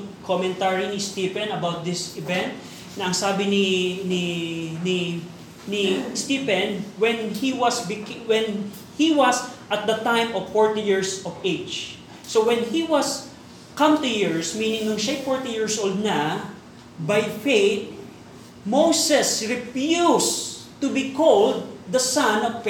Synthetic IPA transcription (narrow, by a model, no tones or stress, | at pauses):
kʰomɛ̃nt̪aɹinɪst̪ipɛnɐbawt̪̚d̪ɪsɪvɛ̃nt̪̚ | nɐʔɐŋsaːbɪnɪnɪni | nɪst̪ipɛnwɛnhiwɐsbɪkwɛn | hiwɐsʔɐt̪̚d̪ɐt̪ãjmɔv̥fɔɹt̪ɪjiɹsɔved͡ʒ | sowɛ̃nhiwɐs | kɐ̃mt̪ʊjɪɹsmiːnɪ̃ŋnʊŋʃajfɔɹt̪ijɪɹsʔold̪̚nɐ | bajfejt̪̚ | mowsɛsɹɪfjust̪ʊbikʰold̪̚ːɐsãnɔvf